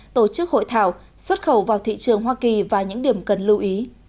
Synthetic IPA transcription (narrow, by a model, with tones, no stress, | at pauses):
t̪o˧˩t͡ɕɨ˦˥k̚ho̰˧˨jt̪ʰa̰ː˧˩w | swə˦˥t̚xə˧˩wvaː˨˩wt̪ʰḭ˧˨t͡ɕɨ˨˩əŋɦwaː˧ki˨˩vaː˨˩ɲɨ̰˧˥ŋɗi˨˩əmkə˨˩nlɨ˧wʔi˨˦